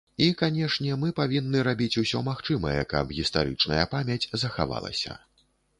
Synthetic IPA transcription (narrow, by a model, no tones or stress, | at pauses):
ikanʲɛʂnʲɛmɨpavʲinːɨɾabʲit͡sʲusʲɔmaxt͡ʂɨmɐjɛ̰kɐ̰bɣʲist̪aɾɨ̰t͡ʂnɐjɐpamʲjɐt͡sʲzɐxa̰va̰lˠɐ̰sʲɐ̰